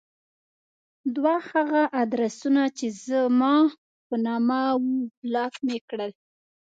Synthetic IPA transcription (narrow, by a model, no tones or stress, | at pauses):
d̪wahaɣaʔad̪ɾasunat͡ʃezəmɑ | pənɑmawublɑkmekɽəl